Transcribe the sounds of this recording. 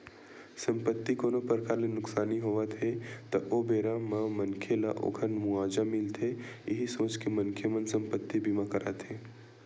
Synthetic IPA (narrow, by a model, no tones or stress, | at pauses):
sɐ̃mpət̪ːikoːnopɾəɾəkaːɾlenʊksaːniɦoːʋat̪ʰet̪ɐʔoːbeːɾamãmɐnkʰelaʔo̰kʰənmʊaːd͡ʒamɪlt̪ʰejɪɦisoːt͡ʃkemɐ̃nkʰemə̃nsə̃mpət̪ːibimãkɐɾaːt̪ɦeː